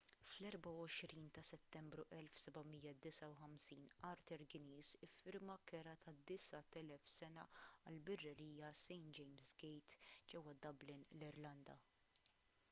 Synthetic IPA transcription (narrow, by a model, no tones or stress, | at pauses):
flɛɾbɐwɔʃɾiːnt̪ɐsɛt̪ːɛmbɾuʔɛlfsɛbɐmijːɐd̪ɪsɐwħɐmsiːnɐɾt̪ɛɾɡɪniːzɪfːɪɾmɐkɛɾɐt̪ɐd̪ɪsɐt̪ɛlɛfsɛnɐ̰ɐ̰lbɛrːɐɾiːjɐsɛjnd͡ʒɛjmzɡɛjt̪d͡ʒɛwːɐd̪ɐblɪnlɪɾlɐnd̪ɐ